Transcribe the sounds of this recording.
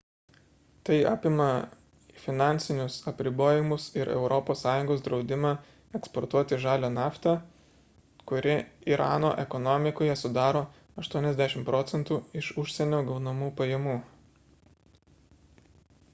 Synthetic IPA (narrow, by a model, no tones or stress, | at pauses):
t̪ɐɪɑ̰ːpʲɪmɐ | fʲɪnɑˑnʲsʲɪnʲʊsɐpʲɾʲɪboːjɪmʊsɪɾɛ̰ʊɾʔɔpoːsːɑːjʊŋɡoːsd̪ɾɒʊd̪ʲɪmɑː | ɛkspɔɾt̪uɔt̪ʲɪʒɑːlʲoːnɑːft̪ʲɛ | kʊɾʲɪiɾɑ̰ːno̰ːʔɛkɔnɔmʲɪkoːjɛsʊd̪ɑːɾoː | ɐʃt̪uɔnʲɛzʲd̪ʲæʃʲɪmpɾɔt̪sʲɛnt̪uːɪʃʊʃʲsʲɛnʲoːɡɐʊnɐmuːpɐjɛmuː